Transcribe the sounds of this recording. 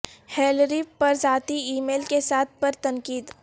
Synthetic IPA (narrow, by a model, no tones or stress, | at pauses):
heːlɾipɐɾzaːt̪iiːmeːlkesaːt̪̚ʰpɐɾt̪ɐ̃ŋkiːd̪